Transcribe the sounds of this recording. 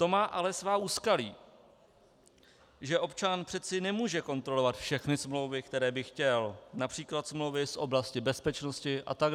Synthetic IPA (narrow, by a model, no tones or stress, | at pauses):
t̪o̞maːʔalɛsvaːuːskalḭː | ʒɛʔo̞pt͡ʃanpr̥ɛt̪t͡sɪnɛmuːʒɛko̞nt̪ɾo̞lovat̪fʃɛxnɪsmlo̞wvɪkt̪ɛɾɛːbɪxcɛlnapr̝̥iːklat̪smlowvɪsʔo̞blascɪbɛspɛt͡ʃno̞scɪʔa̰t̪aɡ